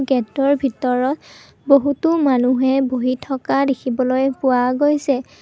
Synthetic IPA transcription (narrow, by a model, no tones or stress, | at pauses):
ɡɛtɔɹbʱitɔɹɔt | boɦutʊmanuɦɛbʱoɦitʰɔkadekʰibɔlojpʊwaɡojsɛ